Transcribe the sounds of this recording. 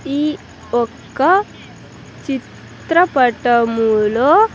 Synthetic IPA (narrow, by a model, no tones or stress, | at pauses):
i | okː | ɐ | t͡ɕit̪ɾɐpɐʈɐmulo